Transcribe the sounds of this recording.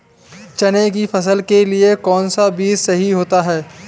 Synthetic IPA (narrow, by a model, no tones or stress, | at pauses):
t͡ʃɐnekifɐs̬əlkeliekɔːnsabiːzsɐɦiɦoːt̪aɦɛː